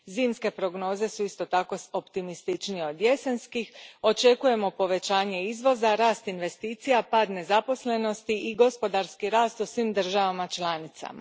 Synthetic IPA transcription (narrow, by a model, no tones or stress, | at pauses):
ziːmske̞pɾo̞ɡno̞ːze̞suist̪o̞t̪ako̞o̞pt̪imist̪it͡ʃnieo̞d̪je̞senskixo̞t͡ʃe̞kuje̞mo̞po̞ʋe̞t͡ɕaːɲe̞izʋo̞zaɾaːst̪inʋe̞st̪iːt̪sijapaːd̪ne̞zapo̞sle̞no̞st̪iiɡo̞spo̞d̪aɾskiɾaːst̪usʋiːmd̪r̩ʒaʋamat͡ʃlaːnit̪sa̰ma̰